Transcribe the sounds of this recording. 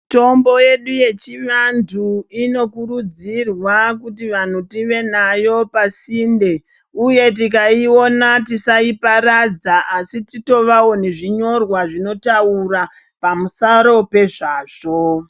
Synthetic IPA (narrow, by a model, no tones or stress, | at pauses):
to̞mbo̞je̞ɗuje̞t͡ʃiʋandʰʱuino̞kuɾud͡zirwakutiʋan̤utiʋe̞najo̞pasinde̞ | uje̞tik̬aio̞natisaipaɾad͡zaʔːsitito̞ʋawo̞ne̞ʐiɲo̞rwaʐino̞taura | pamusaɾo̞pe̞ʐaːʐ̥o